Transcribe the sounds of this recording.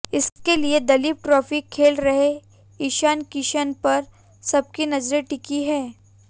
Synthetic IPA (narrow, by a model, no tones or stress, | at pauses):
ɪskelied̪ɐliːp̚ʈɾɔːfikʰeːlɾɐɦe | iʃankiʃənpɐɾ | sɐb̚kinɐzɾeʈɪkiɦɛː